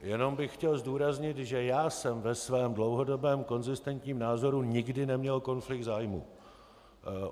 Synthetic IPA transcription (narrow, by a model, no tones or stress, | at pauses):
jɛno̞mbɪxxcɛlzduːɾazɲɪt̪ʒɛjaːsɛmvɛsvɛːmdlo̞wɦo̞do̞bɛːmko̞nzɪst̪ɛnt̪ɲiːmnaːzo̞ɾuɲɪɡdɪnɛmɲɛlko̞nflɪkd̪zaːjmṵː